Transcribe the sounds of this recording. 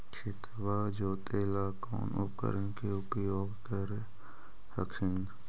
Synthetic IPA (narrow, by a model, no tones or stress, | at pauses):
t͡ʃʰɪt̪ | ʋaːd͡ʒoːt̪eːlaːko̰ːnʊ̰pkə̰ɾənkeʊpjoːɡkəɾe | hɐkʃɪn